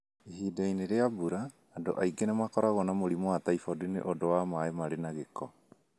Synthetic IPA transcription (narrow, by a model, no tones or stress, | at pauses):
eɦidajneɾeabuɾaː | do̰ʔajɡenamakɔɾaɣɔnamoɾimoataifodinḛʔɔdoamaemaɾenaɣekɔ